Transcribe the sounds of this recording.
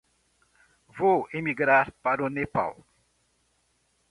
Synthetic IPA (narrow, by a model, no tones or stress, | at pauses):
voimiɡɾaɾpaɾonepa̰w